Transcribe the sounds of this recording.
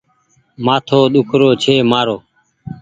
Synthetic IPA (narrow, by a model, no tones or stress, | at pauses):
maːt̪ʰoːɗ̪ʊkʰɾoːt͡ʃʰeːmaːɾoː